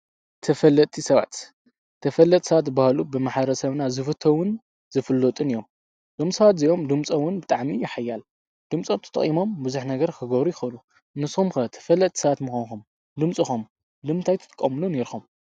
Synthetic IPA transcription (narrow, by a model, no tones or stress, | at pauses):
t̪ʰɐfɐlːɐt̪ʼisɐβa̰t̪ | t̪ʰːɐfɐlːɐt̪ʼsɐβat̪bahalubɨmaħbɾɐsɐβnazɨfɨt̪ʰowʊn | zɨfɨlːot̪ʼɨnijom | d̪̥omsɐβat̪zijo̞md̪ɨmt͡sʼɐwʊnbɨt̪ʼaʕmijɪħajːal | d̪̥ɨmt͡sʼot̪ʰɐ̥t̪ʼɐ̰χʼimo̞mbɨzuħnɐɡɐɾkʰɨɡɐβɾujɪxɐlu | nɨsumkɐt̪ʰɐ̥fɐlːɐt̪ʰʼi̥sɐβat̪mɨxonxum | d̪ɨmt͡sʼɨxum | d̪ɨmt̪ʰajt̪ʰɨt̪ʰʼɨ̥kʼːɐmluneɾxom